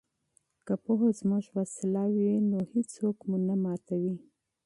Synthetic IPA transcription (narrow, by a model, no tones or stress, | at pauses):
kapoɦozmuʒwasɪlawinohisokmunamɑt̪awi